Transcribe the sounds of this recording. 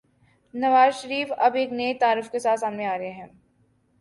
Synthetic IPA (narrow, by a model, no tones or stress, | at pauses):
nɐʋaːzʃəɾiːfɐbeːkneet̪aːɾəfkesaːt̪saːmnẽaːɾɐɦeɦɛ̃ː